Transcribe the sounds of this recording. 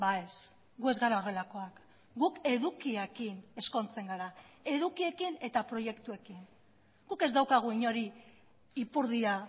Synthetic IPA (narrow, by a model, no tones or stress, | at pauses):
baes | ɡue̞zɣaɾaɣelako̞ak | ɡuke̞ðukiekine̞sko̞nt͡se̞ŋɡaɾae̞ðukie̞kine̞t̪apɾo̞je̞kt̪ue̞kin | ɡ̥uke̞zd̪awkaɣ̞uiɲo̞ɾi | ipuɾðia